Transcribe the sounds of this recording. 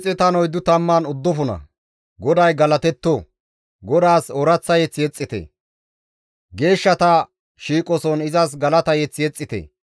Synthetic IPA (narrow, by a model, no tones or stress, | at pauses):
t͡sʼːɛt̪ɐnɔjd̪ʊt̪ɐmːanʊd̪ːɔfʊnɐ̰ | ɡɔd̪ɐjɡɐlɐt̪ɛt̪ːɔ | ɡɔd̪aːsɔɾɐt͡sːɐjɛt͡sːɪjɛt͡sʼːɪt̪ḛ | ɡe̞ːʃːɐt̪ɐ | ʃiːkʼɔsɔnɪzɐs̬ɡɐlɐt̪ɐjɛt͡sːɪjɛt͡sʼːɪt̪ḛː